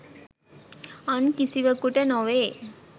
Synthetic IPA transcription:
ɐnkisiʋɐkuʈɐnɔʋe

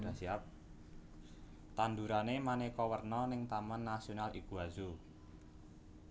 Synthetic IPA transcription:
asiap̚ | t̪and̪uɾanemanekɔwərnɔnɪŋt̪amanːasionalʔikuɦazu

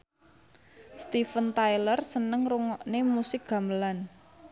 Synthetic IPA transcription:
st̪ifənt̪ajlərsənəŋruŋɔʔnemusɪk̚ɡ̥a̤məlan

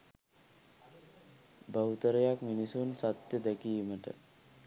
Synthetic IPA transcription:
bəut̪əɾəjakminisunsat̪jəd̪ækijməʈə̰

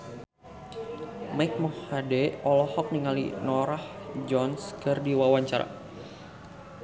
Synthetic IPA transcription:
maik̚mɔhadɛɔlɔhɔk̚niŋalḭnɔɾahd͡ʒɔnskərdiwawaɲt͡ʃaɾa̰

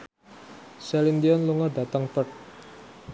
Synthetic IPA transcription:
sɛlind̪iɔnluŋɔrdä̤t̪əŋpərt̪̚

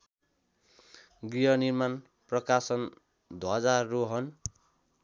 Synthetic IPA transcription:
ɡijʌnirman | prʌkasʌn | d̪ʱwʌd͡zarːoɦʌn

